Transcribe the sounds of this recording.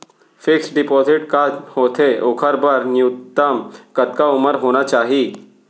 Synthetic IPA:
fɪksɖɪpɔːzɪʈkahot̪ʰeʔokʰəɾbəɾnjut̪ːəmkət̪̚kaʊməɾɦoːnat͡ʃaːɦiː

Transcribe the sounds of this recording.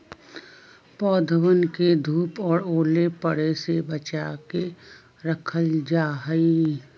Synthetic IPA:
pɔːd̪ʱəʋənked̪ʱuːpɔːɾoːlepəɽesebət͡ʃaːke | ɾəkʰəld͡ʒaːɦəi

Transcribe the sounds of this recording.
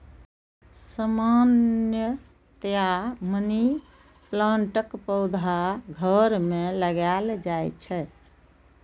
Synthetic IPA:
səmanjə | t̪jaməni | plãɳʈəkpəʊd̪ʱaɡʱəɾmeləɡald͡ʒajt͡ʃʰɛ

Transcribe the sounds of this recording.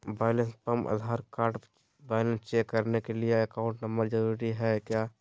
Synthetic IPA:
baːɪlə̃nspəmə̰d̪ʱaːɾkaːɾʈ | baːɪlə̃nst͡ʃeːkːəɾnekelieəkãʊ̃ɳʈnəmbəɾd͡ʒəɾuɾiɦɛkjaː

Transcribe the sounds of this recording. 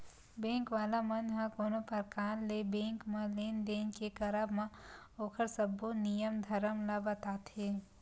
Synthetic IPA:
bẽːŋkʋaːlamɐnɦɐ̃koːnõpɐɾkaːnlebẽːŋkmɐ̃leːnd̪eːnkekɐɾəbmãoːkʰəɾsəbːonijəmd̪ʱɐɾəmlabət̪aːt̪ɦeː

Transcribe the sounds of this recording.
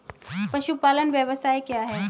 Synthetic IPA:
pəʃupalənʋjəʋəsajkeaɦe

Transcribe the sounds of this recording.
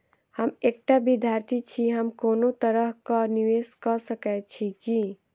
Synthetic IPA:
həmeːk̚ʈabid̪ʱjaːɾt̪ʰit͡ʃʰiɦəmkoːnot̪əɾəɦkaniʋeskəsəkɛt͡ʃʰiki

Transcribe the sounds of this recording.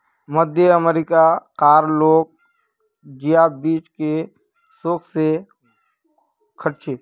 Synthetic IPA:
məd̪ʱjəəmeɾɪkakaːɾloːɡ̚ | d͡ʒɪjaːbiːt͡ʃke | soːkse | kʰəʈt͡ʃʰeː

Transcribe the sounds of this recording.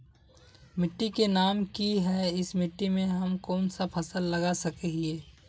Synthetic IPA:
mɪʈːikenaːmkiɦɛɪsmɪʈːimẽɦɐmkɔːnsapʰɐsəlːɐɡasɐkeɦieː

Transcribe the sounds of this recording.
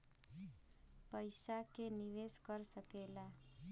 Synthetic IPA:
pəɪsakeniʋeskəɾsəkela

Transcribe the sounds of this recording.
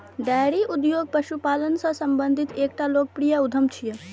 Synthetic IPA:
ɖɛːɾiʔʊd̪joːɡ̚pɐʃupaːlənsɐsɐ̃mbə̃nd̪ʱɪt̪eːk̚ʈaloːk̚pɾijaʊd̪ʱəmt͡ʃʰijə

